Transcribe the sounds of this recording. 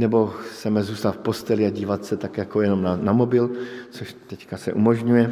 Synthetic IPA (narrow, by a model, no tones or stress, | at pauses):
nɛbo̞xt͡ssɛmɛzuːst̪at̪fpo̞st̪ɛlɪaɟiːvat̪sɛt̪akjakojɛno̞mnanamo̞bɪlt͡soʃt̪ɛckasɛʔumo̞ʒɲujɛ